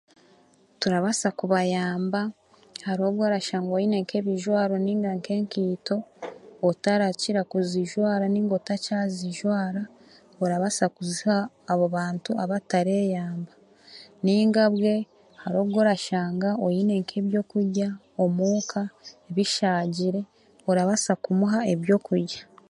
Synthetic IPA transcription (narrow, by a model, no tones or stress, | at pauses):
tuɾaβasakuβajaːmba | haɾo̞ːβɡo̞ɾaʃaːŋɡojine̞ŋke̞βiʒwaːɾo̞niːŋɡaŋke̞ŋkiːto̞ː | taɾaciɾakuziʒwaːɾaniːŋɡo̞tacaziʒwaːɾa | oɾaβasakuzihaː | βoβaːntuʔaβataɾe̞ːjaːmba | niːŋɡaβwe̞ | haɾo̞ːβɡo̞ːɾaʃaːŋɡaojine̞ŋkʰe̞ːβjo̞kuɾɟa | omuːkʰaeβiʃaːɟiɾe̞ | oɾaβasakumuɦae̞βjo̞kuɾɟa